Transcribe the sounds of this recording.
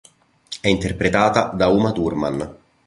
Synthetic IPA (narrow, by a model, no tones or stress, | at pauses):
ɛint̪erpɾet̪aːt̪ad̪auːmat̪urma̰n